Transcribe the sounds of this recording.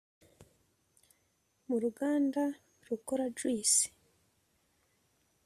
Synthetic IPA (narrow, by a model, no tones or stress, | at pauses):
muɾuɡaːnda | ɾukoɾad͡ʒwiːsi̥